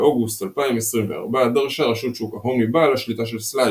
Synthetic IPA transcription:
ʔoɡustalpaimesʁimvḛa̰ʁbad̪aʁʃaʁaʃut̪ʃukaɦomibalaʃlitaʃ̬elsla

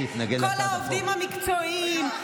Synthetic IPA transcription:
it̪naɡeklolaovdimhamikt͡soim

